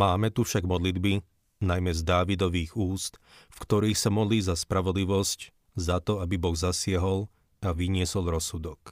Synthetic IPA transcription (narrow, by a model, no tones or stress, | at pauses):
maːmɛt̪ufʃaɡmɔd̪lid̪bi | najmɛzd̪aːʋid̪ɔʋiːɣuːst̪ | fkt̪ɔɾiːxsamɔd̪liːzaspɾaʋɔd̪liʋɔsc | zat̪ɔabibɔɣzasɪaɦɔl | aʋiɲɪɛsɔlɾɔsud̪ɔk